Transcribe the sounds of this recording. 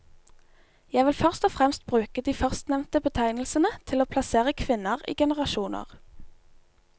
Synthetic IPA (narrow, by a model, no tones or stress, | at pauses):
jæɪʋɪlfœʁst̪ɔfʁɛmst̪̚bʁʉːkəd̪iːfœʁst̪nɛʋnt̪əbət̪ʰæɪnl̩sənət̪ʰɪloːpʰlɑseːʁəkʰʋɪnəʁḭːɡɛnəʁɑʃuːnə̰ʁ